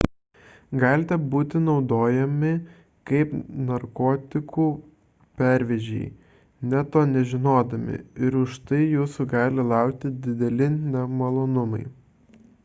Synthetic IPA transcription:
ɡɑːlʲɪt̪ʲɛbuːt̪ʲɪnɒʊd̪oːjɛmʲɪ | kɐɪpnɐɾkoːt̪ʲɪkuː | pʲæˑɾʲʋʲɛʒʲɛ̰ɪ | nʲɛt̪oːnʲɛʒʲɪnoːd̪ɐmʲɪ̰ɪɾʊʃt̪ɐɪjuːsuːɡɑːlʲɪlˠɑˑʊkt̪ʲɪd̪ʲɪd̪ʲɛlʲɪnʲɛmɐlˠoːnʊmɐɪ

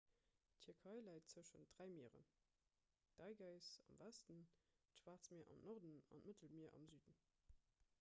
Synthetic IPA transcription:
tʰyɐkʰɑɪlæɪt̚t͡səʃənt̚d̥ʁæɪmiəʁə̰n | d̥ɑɪɡɑɪsɑ̰mvæstəntʃv̥aːʁt͡smɛːɐʔɑ̰mnɔʁdənɑ̰nmətʰəlmiɐʔɑ̰mzyːdən

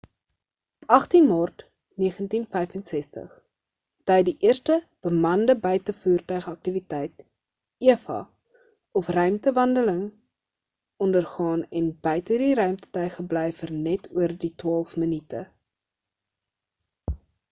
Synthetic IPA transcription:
ɔpɐχtinmɑːrt | niəχəntinfɛjfənsɛstə̰χ | d̥ɛjdiʔiərstəb̥əmɐndəbəjtəfuːrtœɥχəɐk̚tivitɛjt | iəfɐ̰ | ɔfrœɥmtəvɐndələŋ | ɔndərχɑːnɛnbœjtədiɾœɥmtə̥tœɥχəblɛjfərnɛtʰuərditwɑːlˠfmənitə̰

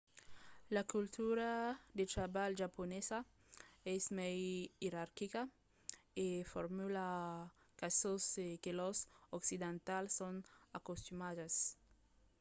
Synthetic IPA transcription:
lakult̪uɾad̪et̪ɾabalʒaponesa | ɛsmɛjiɾaɾkika | efoɾmula | kasoskelosoksid̪ẽnt̪alsːoŋakost̪umadas

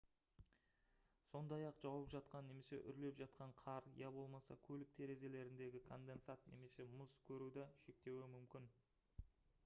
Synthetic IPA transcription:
so̞nd̪ɑjɑqʒ̥ɑwəpʒɑt̪̚qɑnːe̞me̞se̞̰ʔʏ̰ɾle̞pʒɑt̪̚qɑɴqʰɑɾjɑbo̞lˠmɑsɑ̰kʲʰɵlɪk̚t̪ʰe̞ɾe̞ze̞le̞ɾɪnd̪e̞ɡʲɪkʰo̞nd̪e̞nsat̪ne̞me̞se̞mʊzkʲʰɵɾud̪ɑʃe̞k̚t̪e̞wɪmʏmkʲɪn

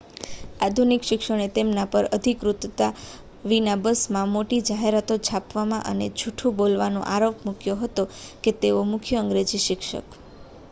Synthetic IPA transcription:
ad̪ʱunikʃɪkʃəɽ̃et̪emnapəɾəd̪ʱikɾut̪t̪a | ʋinabəsmãmoʈid͡ʒaɦeɾat̪ot͡ʃʰapʋamãʔə̰ned͡ʒʱuʈʰũbolʋanõ̰ʔaɾopmʊkjoɦət̪oket̪eomʊkʰjəəŋɡɾed͡ʒiʃɪkʃə̰k

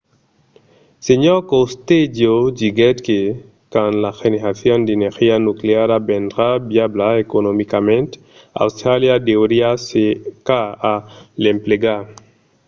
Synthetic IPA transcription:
seɲokowst̪ed͡ʒod͡ʒiɡet̪ke | kanlaxeneɾaθjond̪eneɾxianukleaɾabend̪ɾabjablaekonomikamẽnt̪ | a̰wst̪ɾaljad̪ewɾiasekaalempleɡa

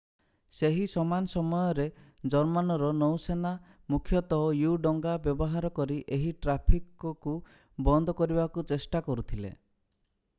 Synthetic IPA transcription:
seɦisɔmansɔmɔjɔɾe | d͡ʒɔɾmanɔɾɔnɔwsena | mukʰjɔt̪ɔɔjuɖɔŋɡabjɔbɔɦaɾɔkɔɾiʔeɦiʈɾapʰikɔku | bɔnd̪ʱɔkɔɾibakut͡ʃesʈakɔɾut̪ʰilḛ

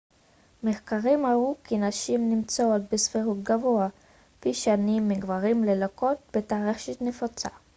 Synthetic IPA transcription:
meχkaʁimaʁukʰinaʃimnimt͡soot̪̚besfiʁut̪̚ɡavo̞a | piʃanimːiɡvaʁimlelako̞t̪̚bet̪aːʁeχʃit̪nefot͡sa̰

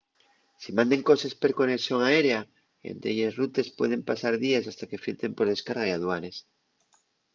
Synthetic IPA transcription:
simãnd̪e̞ŋko̞sespeɾkoneksjo̞ŋaeɾea | ḛnt̪ɾḛʎesrut̪e̞spwe̞ðe̞mpasaɾðies̬ast̪ake̞filt̪e̞mpo̞ɾð̞e̞skaɾɣaiaðwanes

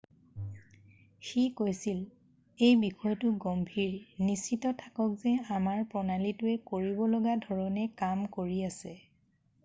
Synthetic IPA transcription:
xikojsil | ejbixʰɔjtʊɡɔmbʱiɹnisitɔtʰḁkɔkzɛamaɹpɔnalitʊɛkoɹibɔlɔɡadʱɔɹɔnɛkamkoɹiasɛ

